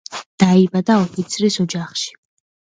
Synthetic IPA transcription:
d̪̥aibad̪aɔpʰit̪sʰɾisɔd͡ʒaχʃi̥

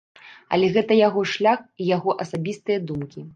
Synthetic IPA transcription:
ɐ̰lʲɛɣɛt̪ɐjaɣɔʂlʲaxijaɣɔʔɐsabʲist̪ɨjɐd̪umkʲi

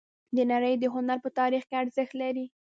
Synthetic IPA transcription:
d̪ənaɾəjd̪əɦʊnaɾpət̪ɑɾixkeaɾzəxt̪laɾi

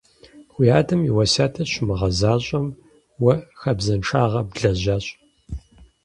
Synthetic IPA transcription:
xʷijaːdʰɐmiwɐsaːtʰɐɕʊmɨʁɐzaːɕʼɐm | wɐxɐbzɐnʈ͡ʂʰaːʁɐbɮɐʑaːɕʼ

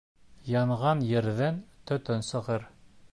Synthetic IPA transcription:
jɑɴʁɑnjɘ̆ɾðænt̪ɵ̆t̪ɵnsɤ̆ʁɤɾ

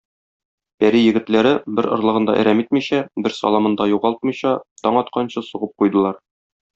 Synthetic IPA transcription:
bæɾijɘ̆ɡɘ̆t̪læɾɘbɘɾŏɾlˠɤ̆ʁɤ̆nd̪ɑ̰ʔæ̰ɾæmit̪miɕæbɘɾsɒ̰lˠɑmɤ̆nd̪ɑjuʁɑlˠt̪̚mɤ̆jɕɑt̪ɒɴɒt̪qɑnɕɤsuʁɤp̚qujd̪ɤ̆lˠɑɾ

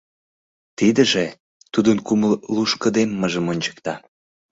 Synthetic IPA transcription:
t̪id̪əʒe | t̪ud̪ənkuməlluʃkə̆d̪emːəʒəmonʲt͡ɕə̥k̚t̪ɑ

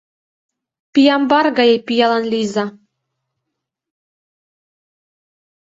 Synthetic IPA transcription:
pijɑmbɑrɡɑjepijɑlɑnlʲizɑ

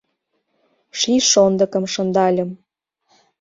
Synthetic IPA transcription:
ʃiʃond̪ə̆kɤ̆mʃɤ̆nd̪ɑlʲə̆m

